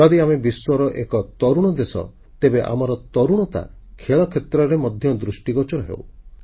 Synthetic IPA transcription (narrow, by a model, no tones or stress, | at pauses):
d͡ʒɔd̪iamebiswɔɾɔʔekɔt̪ɔɾuɽ̃ɔd̪esɔ̰ | t̪ebeʔa̰mɔɾɔt̪ɔɾuɽ̃ɔt̪a̰ | kʰeɭɔkʰet̪ɾɔɾemɔd̪ʱjɔd̪ɾusʈiɡɔt͡ʃɔɾɔɦḛw